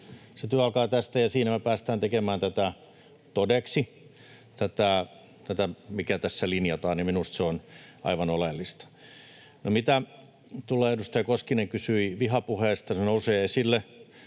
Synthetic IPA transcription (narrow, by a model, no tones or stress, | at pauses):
set̪yøɑlkɑːt̪æst̪æjɑsiːnæmepæːst̪æːnt̪ekemæːnt̪æt̪æ | t̪odeksi | t̪æt̪æˑ | t̪æt̪æmikæt̪æsːælinjɑt̪ɑːnimminust̪seonɑ̰iʋɑnolelːist̪ɑ̥ | nomit̪æ | t̪uleːedust̪ɑjɑkoskineŋkysyiʋiɦɑpuheːst̪ɑsenouseːesilːe